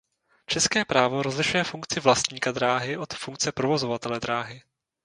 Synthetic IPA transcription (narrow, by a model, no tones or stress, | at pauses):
t͡ʃɛskɛːpɾaːvoɾozlɪʃujɛfuŋk̚t͡sɪvlast̪ɲiːkad̪ɾaːɦɪʔo̞t̪fuŋk̚t͡sɛpɾo̞vo̞zo̞vat̪ɛlɛd̪ɾaːɦɪ